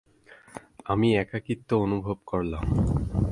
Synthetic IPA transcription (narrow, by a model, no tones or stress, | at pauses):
amiɛkakit̪ːoonubʱobkoɾlam